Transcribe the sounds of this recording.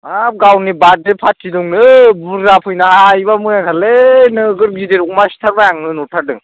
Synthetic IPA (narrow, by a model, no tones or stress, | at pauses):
ap̚ɡawnibadepʰatʰːiduŋnɯbuɾːapʰɯjnaaiβamɯjaŋtʰalenɯɡɯɾɡideɾumasi̥tʰaɾbajaŋnɯnutʰadɯŋ